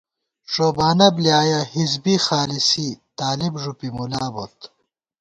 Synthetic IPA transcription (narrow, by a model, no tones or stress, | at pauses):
ʂoːbaːnɐbljaːjɐhizbixaːlisit̪aːlibʐupimulaːbot̪